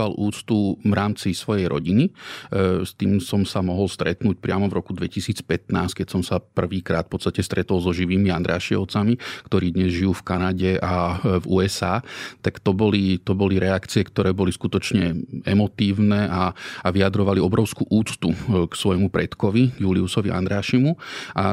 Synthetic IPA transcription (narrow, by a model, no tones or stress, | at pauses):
alʔuːt͡st̪uvɾaːmt͡sisʋɔjɛjɾɔ̰ɟini | st̪iːmsɔmsamɔɦɔlst̪ɾɛt̪nuːc̚pɾɪamɔvɾɔkud̪ʋɛcisiːt͡spɛt̪naːsckɛcsɔmsapr̩ʋiːkɾaːt̪fpɔt̪st̪acɛst̪ɾʔɛt̪ɔlˠzɔʒiʋiːmiand̪ɾa̰ːʃiɔ̰t͡samikt̪ɔɾiːd̪ɲɛzʒijuːfkanaɟɛʔavuːɛsaːt̪akt̪ɔbɔlit̪ɔbɔliɾɛakt͡siɛkt̪ɔɾɛːbɔliskut̪ɔt͡ʃɲɛɛmɔt̪iːʊnɛːʔaaʋiad̪ɾɔʋaliɔbɾɔʊskuːʔuːt͡st̪uksʋɔjmupɾɛt̪kɔʋiɡjuliusɔʋia̰nd̪ɾaːʃimuʔa